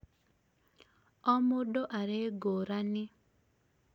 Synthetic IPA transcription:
ɔmʊdoʔaɾeɡoɾanɪ

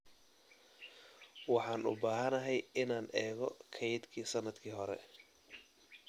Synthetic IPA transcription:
wɑħɑːnʊ̰baːɦɐnɐɦɛjɪnaːnɛːɣɔkʰɛjɪd̪kʰiːsɐnɐd̪kʰiːɦɔɾɛ̰

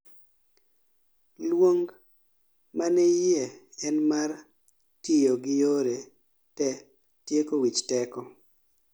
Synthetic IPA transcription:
lwoŋɡ | manɛjɛɛnmar | tijoɡɪjoɾe | tɛ | tjekowit͡ʃtɛkɔ

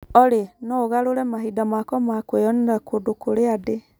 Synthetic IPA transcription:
ɔɾenɔɣaɾoɾɛmaɦidamakɔmakwejɔnɾakʰodokoɾeade

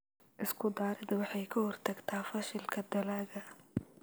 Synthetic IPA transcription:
ʔɪskʰʊd̪aːɾɪd̪ɐwɑħɑjkʰɐhɔrt̪ʰɐɡt̪ʰaːfɐʃɪlkʰɐd̪ɐlaːɣɐ

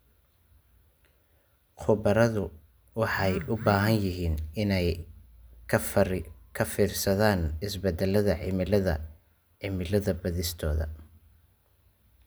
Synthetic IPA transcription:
qʰʊbɐɾɐðʊ | wɑħɑjʔʊbaːɦɐnjɪɦiːnɪnɛj | kʰɐfiːrsɐðaːnɪsbɛd̪ɛlɐðɐʕɪmɪlɐðɐ̰ | ʕɪmɪlɐðɐbɐðɪst̪ʰɔːðɐ̰

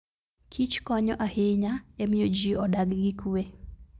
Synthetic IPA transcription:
kʰit͡ʃkɔɲɔʔahɪɲaemɪjod͡ʒiɔdaɡɡɪkue

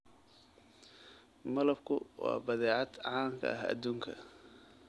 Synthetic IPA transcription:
mɐlɐb̚kʰʊwɑ̰ːbɐðɛːʕɑd̪ʕɑːŋkʰɐ̰ʔɐɦɐ̰d̪uːŋkʰɐ

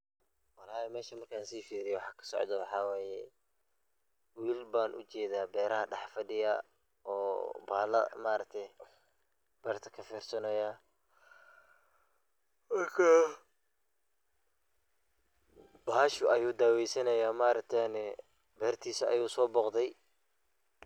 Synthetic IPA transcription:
wɑlaːhɛmɛːʃɐmɐrkʰaːnsiːfiːɾɪjɛwɑħɑːkʰɐ̥sɔ̰ʕd̪ɐwɑħɑːwɛːjɛ | wiːlbaːnʔʊ̰t͡ʃɛːðaːbɛːɾɐɦɐɖɑħfɐɖɪjɐ̰ | ʔɔːbaːlɐ̰maːɾɐk̚t̪ʰɛj | b̥ɛːrt̪ʰɐkʰɐfiːrsɐnɐjaː | mɐrkʰa | b̥aːʃʊʔɐjuːd̪aːwɛjsɐnɐjaːmaːɾɐk̚t̪ʰɛnɛ | bɛːrt̪ʰiːsɐɐ̰juːsɔːbɔːqd̪ɛj

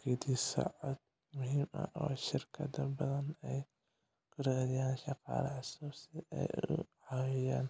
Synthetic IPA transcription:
kʰɛd̪isɐ̰ʕɔd̪ | mʊɦiːmɐ̰ɔːʃɪrkʰɐd̪ɐbɐðɐnɛj | kʰʊɾaːɾɪjaːnʃɑqɑ̰ːlɐʕɑsuːsɪʔɛ̰jʊ̰ʕɑwɪjaːn

